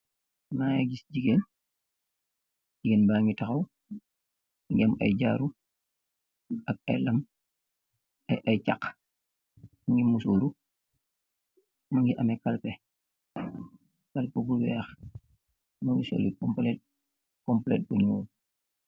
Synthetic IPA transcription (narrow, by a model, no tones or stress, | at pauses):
maːjɛɡisɟiɡen | ɟiɡenbaːŋɡitɐxɐw | ŋɡiɐmɐ̰jɟa̰ɾu | ʔɐk̚ɐ̰jlɐm | ɐjʔɐjcak | mɐŋɡimusoːɾu | mɐŋɡiʔɐmɛkalpɛ | kalpuɡuwɛːx | mɐŋiso̰likɔmplɛt̚ | kɔmplɛt̚buɲɔː